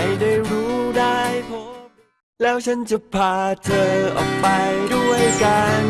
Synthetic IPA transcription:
a˧˩jdaː˥˩jɾuː˦˥daː˥˩jpʰo˦˥ | lɛː˦˥wt͡ɕʰa˦˥nt͡ɕa˧˩pʰaː˨˧t̪ʰɤː˧ʔɔ̰ː˨˩k̚pa˧jdu˥˩əjka˧n

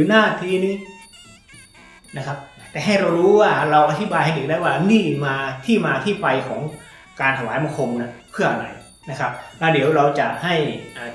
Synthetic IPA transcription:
ɯː˨˩˦naː˥˩t̪ʰiː˧˥niː˧˥˩ | na˦˥kʰa˦˥p̚t̪ɛː˨˩ɦa˥˩jɾa˧wɾuː˦˥waː˥˩ɾa˧wʔa˧t̪ʰi˦˥baː˧jha˥˩ʔiː˨˩k̚daː˥˩jwaː˥˩niː˥˩maː˧t̪ʰiː˥˩maː˧t̪ʰiː˥˩pa˧jkʰɔː˩˦ŋ | kaː˧nt̪ʰa˧waː˨˦jma˧˩˨ŋkʰo˧mna˦˥pʰɯ˥˩ɐna˨˩j | na˦˥kʰa˦˥p̚lɛː˦˥˩di˨˩˦wɾa˧wt͡ɕa˨˩ʔha˥˩jʔaː˨˩

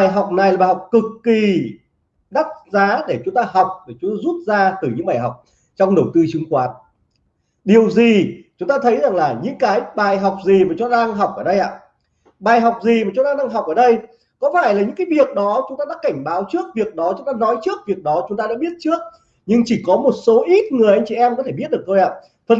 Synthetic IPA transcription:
ɓaː˨˩jɦa˨˩wk͡p̚na˨˩jla˨˩ɓaː˨˩a˨˩k͡p̚kɨ˨˩kːi˨˩ | ɗa˦˥t̚zaː˨˦ɗe˧˩t͡ɕʊ˨˦ŋ͡mt̪aː˧ɦɔ˨˩wk͡p̚ɗe˧˩t͡ɕʊ˨˦ŋ͡mt̪aː˧zu˦˥t̚zaː˧t̪ɨ˧˩ɲɨ̰˧˥ŋɓaː˨˩jɦa˨˩wk͡p̚ | t͡ɕɔ˧wŋ͡mɗə˧˩wt̪ɨ˧t͡ɕɨ˨˦ŋkwaː˨˦n | ɗi˨˩əwzi˨˩t͡ɕʊ˨˦ŋ͡mt̪aː˧t̪ʰə˨˦jza˨˩ŋlaː˨˩ɲɨ̰˧˥ŋkaː˨˦jɓaː˨˩jɦa˨˩wk͡p̚zi˨˩maː˨˩t͡ɕʊ˨˦t̪aː˧ŋɦa˨˩wk͡p̚ʔəː˧˩ɗə˧jʔa̰ː˧˨ | ɓaː˨˩jɦɔ˨˩wk͡p̚zi˨˩maː˨˩t͡ɕʊ˨˦ŋ͡mt̪aː˧ɗaː˧ŋɦa˨˩wk͡p̚ʔəː˧˩ɗə˧j | kɔ˨˦faː˧˩jlaː˨˩ɲɨ̰˧˥kaː˨˦jvi˨˩ək̚ɗɔ˨˦t͡ɕʊ˨˦ŋ͡mt̪aː˧ɗa̰ː˧˥ka˧˩jŋ̟ɓaː˨˦wt͡ɕɨ˦˥ək̚vi˨˩ək̚ɗɔ˨˦t͡ɕʊ˨˦ŋ͡mt̪aː˧nɔ˨˦jt͡ɕɨ˦˥ək̚vi˨˩ək̚ɗɔ˨˦t͡ɕʊ˨˦ŋ͡mt̪a˧ɗa̰ː˧˥ɓi˦˥ət̚t͡ɕɨ˦˥ək̚ | ɲɨ˧ŋt͡ɕi˧˩kɔ˨˦mo˨˩t̚so˨˦ʔi˦˥t̚ŋɨ˨˩əjʔa˧jŋ̟t͡ɕi˧˩ʔɛ˧mkɔ˨˦t̪ʰe˧˩ɓət̚ɗək̚t̪ʰo˧jʔa̰ː˧˨ | t̪ʰə˨˩n

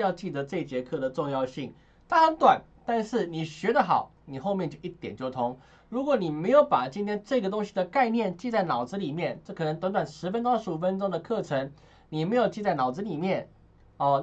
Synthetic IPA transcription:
jɑ˥˧ʊt͡ɕi˥˩t̪ə˧˦ʈ͡ʂɤ˥˧˩t͡ɕjɛ˧˥kʰɤ˥˩d̪ə˩ʈ͡ʂʊ˥˧ŋjɑ˥˧ʊɕi˥˩ŋ | t̪a˥˩˥ŋt̪wa˨˩˦n | t̪a˥˧nʂɻ̩˥˩ni˨˩ɕɥɛ˧˥d̪ə˨xɑ̰˨˩˦ʊ | ni˨˩xo˥˧ʊmjɛ˥˧nt͡ɕjo˥˧ʊi˥˩t̪jɛ̰˨˩nt͡ɕjo˥˩ʊt̪ʰʊ˧˥ŋ | ɻu˧˥kwɔ˨˩ni˨˩me˧˥ɪjo˧˥ʊpa˨˩t͡ɕi˥nt̪ʰjɛ˥nʈ͡ʂɤ˥˩ɡə˩t̪ʊ˥ŋɕi˨d̪ə˩ka˥˧ɪnjɛ˥˧nt͡ɕi˥˧t͡sa˥˩ɪnɑ˨˩ʊd͡z̩˧˥li˨˩mjɛ˥˩nʈ͡ʂɤ˥˩kʰnə˧˥ŋt̪wa˧˥nt̪wa˨˩nʂɻ̩˧˥fə˥nt̪ʊʂɻ̩˧˥u˨˩fə˦nʈ͡ʂʊ˥ŋd̪ə˨kʰɤ˥˩ʈ͡ʂʰɤ˧˥ŋ | ni˨˩˨me˧˥ɪjo˨˩ʊt͡ɕi˥˧t͡sa˥˩nɑ˨˩ʊd͡z̩˧˦li˨˩mjɛ˥˩n | ɔ˥˧˩

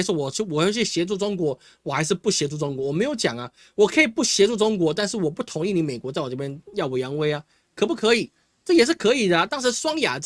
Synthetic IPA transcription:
ʂwɔ˥wɔ˨˩˥wɔ˨˩˧i˥˩ɕjɛ˧˥t͡swu˥˩ʈ͡ʂʊ˥ŋkwɔ˧˥ | wɔ˨˩xa˧˥ɪʂ̬ɻ̩˥˧pu˥˩ɕjɛ˧˥ʈ͡ʂu˥˩ʈ͡ʂʊ˥ŋkwɔ˧˥wɔ˨˩me˧˥ɪjo˧˥ʊt͡ɕjɑ˨˩ŋɐ˦ | wɔ˨˩kʰɤ˧˥i˨˩pu˥˩ɕjɛ˧˥ʈ͡ʂu˥˩ʈ͡ʂʊ˥ŋkwɔ˧˥t̪a˥˧nʂɻ̩˥˩wɔ˨˩pu˥˩t̪ʰʊ˧˥ŋi˥˩ni˧˥me˨˩ɪkwɔ˧˦t͡sa˥˩ɪwɔ˨˩ʈ͡ʂɤ˥˩pjɛ˥njɑ˥˩ʊwe˧˥ɪjɑ˧˥ŋwe˥ɪɐ˧ | kʰɤ˨˩pu˥˩kʰɤ˧˥i˨˩˦ | ʈ͡ʂɤ˥˩jɛ˨˩ʂ̬ɻ̩˥˩kʰɤ˧˥i˨˩d̪ə˦˨t̪ɑ˥ŋʂɻ̩˧˥swɑ˥ŋja̰˨˩

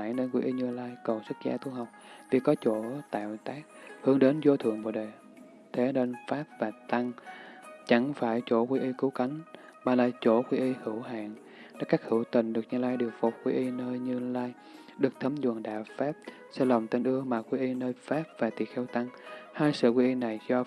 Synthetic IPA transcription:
aː˧˩jnəː˧nkwḭ˧ʔi˧ɲɨ˧əlaː˧jkə˨˩wsɨ˦˥k̚za̰ː˧t̪ʰu˧hɦa˨˩wk͡p̚v̥i˨˩kɔ˨˦t͡ɕo˧˩t̪a̰ː˧˨wt̪aː˦˥k̚hɨ˨˦əŋɗe˨˦nzo˧t̪ʰɨ̰˨˧˨əŋɓo̰˧˨ɗe˨˩ | t̪ʰe˨˦ne˧nfaː˦˥p̚vaː˨˩t̪a˧ŋ | t͡ɕa˧˩ŋfaː˧˩jt͡ɕo˧˩kwi˧ʔi˧kɨ˨˦ka˨˦jŋ̟ | maː˨˩laː˨˩t͡ɕo˧˩kwi˧ʔi˧hɨ˧˩əwɦa̰ː˧˨n | ɗa̰ː˨˥kaː˦˥k̚hɨ˧˩wt̪ï˨˩ŋ̟ɗɨ˨˩ək̚ɲɨ˧laː˧jɗɨ˨˩ək̚fu˨˩k͡p̚kwi˧ʔi˧nəː˧jɲɨ˧laː˧j | ɗɨ˨˩ək̚t̪ʰə˨˦mzɨ˨˩ŋɗa̰ː˧˩faː˦˥p̚ | sɛ̰˧˥lɔ˨˩wŋ͡mt̪e˧nʔɨ˧əmaː˨˩kwi˧ʔi˧nəː˧jfaː˦˥p̚vaː˨˩t̪ḭ˨˩əxɛ˧wt̪a˧ŋhaː˧jsɨ̰˧˨kwi˧ʔi˧na˨˩jzɔ˧

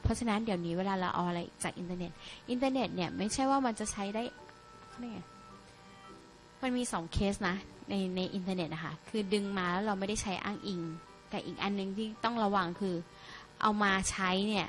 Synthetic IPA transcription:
pʰɔ˦˥t͡ɕʰa˧na˦˥ndi˩˦wniː˦˥weː˧laː˧ɾa˧wʔa̰˧wʔa˧ɾa˧jʔḭː˨˩k̚t͡ɕaː˨˩k̚ʔi˧nt̪aː˧ne˨˩t̪̚ʔi˧nt̪aː˧ne˨˩t̪̚ni˥˩ɐma˥˩jt͡ɕʰa˥˩jwaː˥˩ma˧nt͡ɕa˨˩t͡ɕʰa˦˥jdaː˥˩j | kʰa˥˩a˧˥˩ŋa˧˥˩ | ma˧nmiː˧sɔː˩˦ŋkʰeː˦˥st̪̚na˦˥na˧jna˧jʔi˧nt̪aː˧ne˨˩t̪̚ʔa˧˩kʰa˥˩kʰɯː˧dɯ˧ŋmaː˧lɛː˦˥wɾa˧wma˥˩jda˥˩jt͡ɕʰa˦˥jʔa̰ː˥˩ŋʔi˧ŋ | t̪ɛː˨˩ʔḭː˨˩k̚ʔa˧nːɯ˨˩ŋt̪ʰiː˥˩t̪ɔ˥˩ŋɾa˧wa˧ŋkʰɯː˧ | ʔa̰˧wmaː˧t͡ɕʰa˦˥jni˥˩ɐ

